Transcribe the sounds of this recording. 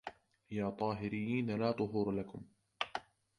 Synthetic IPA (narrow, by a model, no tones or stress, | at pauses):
jaːt̪ˤɑːɦɪɾɪjːiːnalaːt̪ˤʊɦuːɾlakʊm